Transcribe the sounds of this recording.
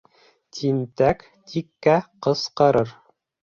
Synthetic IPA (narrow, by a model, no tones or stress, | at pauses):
t̪ʰint̪æk | t̪ʰikːæqɤ̆sqɤɾɤɾ